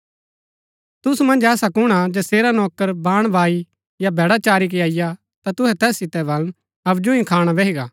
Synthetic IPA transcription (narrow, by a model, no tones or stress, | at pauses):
t̪ʊsumɐ̃nd͡ʒɛːsakʊɽ̃ad͡ʒɛːseːɾanɔːkəɾbaːɽ̃bʱaːi | jabʱɛːɽat͡ʃaːɾik̬eaːɪja | t̪at̪ʊɦɛt̪ɛːsːɪt̪ɛbɐln | ɐbd͡ʒũĩkʰaːɽ̃abeɦiɡaː